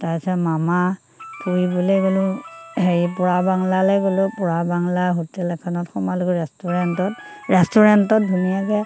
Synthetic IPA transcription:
taɹsɛmama | pʰuɹibɔleɡolʊheɹipɔɹabaŋlalɛjɡolʊpɔɹabaŋlaɦutɛlɛkʰɔnɔtxɔmalɔkɔɹɛstuɹɛntɔt | ɹɛstuɹɛntɔt̚bʱumijakɛ

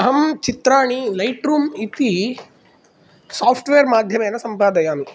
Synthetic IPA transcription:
ɐɦɐmt͡ʃit̪ɾaːɳilɐjʈɾuːmit̪i | saːpʰʈʋeːɾmaːd̪ʱjɐmeːnɐsɐmpaːd̪ɐjaːnu

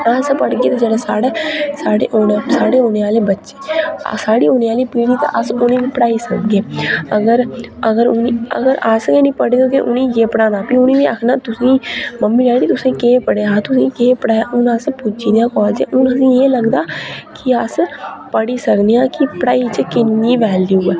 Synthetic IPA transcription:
əspəɽɡeːt̪ãːd͡ʒɛːɽeːsaːɽeːsaːɽḛːʔoːnasaːɽeːoːneːaːleːbətːʃeːsaːɽiːoːneːaːliːpiːɽiːt̪ã̰ːʔəsʊnẽːʋiːpəɽaːiːsəkɡeːəɡəɾəɡəɾʊniə̰ɡəɾəskɛ̃ːnĩːpəɽeːd̪õːkeʔʊnĩːjeːpəɽãːnaːpiːʊnĩːʋiːakʰnaːt̪ʊsĩːməmːiːlɛːɖiːt̪ʊsĩːkeːpəɽeaːt̪ʊsĩːkeːpəɽaːjaːʔʊnəspʊd͡ʒiːd̪eãːkɔːld͡ʒḛ̃ʔʊnəsĩːeːləɡd̪aːkɪəspəɽiːsəkd̪eãːkɪpəɽaːiːt͡ʃəkɪnːiːʋɛːld̪iːuːɛː

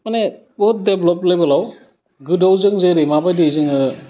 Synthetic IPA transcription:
mane | bɔt̚deblɔplejbalaw | ɡɯdawzɯŋzɯɾɯmabajdɯzɯŋɯ

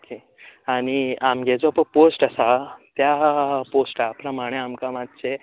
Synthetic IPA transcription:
okʰe | aɽ̃iamɡed͡zɔpəposʈasat̪japosʈapɾəmaɽ̃eamkamad̪t͡ɕe

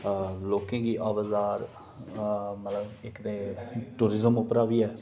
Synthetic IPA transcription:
loːkẽːɡiːʔaːʋəzaːɾ | mət̪ləbɪkd̪eːʈuːɾɪzəmʊpəɾaːʋiːɛː

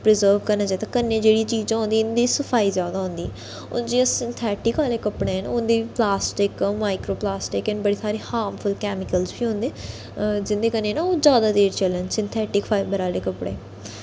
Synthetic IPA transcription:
pɾɪzəːɾbkəɾnaːd͡ʒaːet̪ãːkənːẽːd͡ʒeːɽiːt͡ʃiːd͡ʒãːɦʊ̃nd̪iːʊnd̪iːsəpʰaːiːzjaːd̪aːɦʊ̃nd̪iːɛ | ʊ̰nd͡ʒiːəsɪnt̪ʰɛːʈɪkaːleːkəpɽẽːənʊnd̪iːiːplaːsʈɪkmaːɪkɾoːplaːsʈɪkənbəɽiːsaːɾiːhaːɾmpʰʊlkɛːmɪkəlzbiːɦʊ̃nd̪eː | d͡ʒɪnd̪eːkənːẽːnaːoːzjaːd̪aːd̪eːɾt͡ʃələnsɪnt̪ʰɛːʈɪkfʰaːbəɾaːleːkəpɽḛː

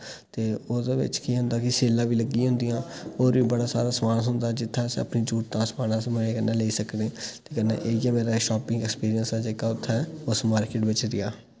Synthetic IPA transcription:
t̪eːoːd̪eːʋɪ̰t͡ʃkiːɦʊ̃nd̪aːkɪseːlãːʋiːləɡːiɦʊ̃nd̪ijãːoːɾʋiːbəɽaːsa̰ːɾãːsmaːnsʊ̃nd̪aːd͡ʒɪt̪ʰːãːsə̰pniːt͡ʃuːʈt̪ãːsmaːnãːsmeːeːkənãːleːiːsəkneːt̪eːkənːḛ̃ːʔeːiɛːmeːɾaːʃɔːpɪ̃ŋɡɛkspiːɾijənsɛːd͡ʒeːkaːʊt̪ʰːɛːʊsmaːɾkɪʈʋɪt͡ʃɾɪjaː

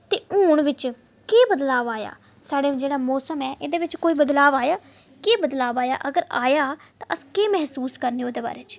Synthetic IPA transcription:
t̪eːuːɳʋɪt͡ʃ | keːbəd̪laːʋaːja̰ː | saːɽeːd͡ʒeːɽaːmɔːsəmɛːʔeːd̪eːʋɪt͡ʃkoːiːbəd̪laːʋaːjaː | keːbəd̪laːʋaːja̰ːʔəɡəɾa̰ːjaːt̪ãːʔəskeːmɛɦsuːskəɾniːod̪eːba̰ːɾeːt͡ʃ

